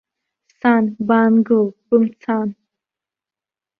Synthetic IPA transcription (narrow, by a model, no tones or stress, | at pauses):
saːnbaːnɡobumt͡sʰaːn